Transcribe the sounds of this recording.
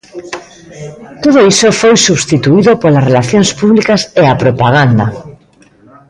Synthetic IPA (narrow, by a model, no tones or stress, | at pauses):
t̪oð̞oisofojsuβst̪it̪uiðopolasrelaθjonspuβlikaseapɾopaɣ̞and̪a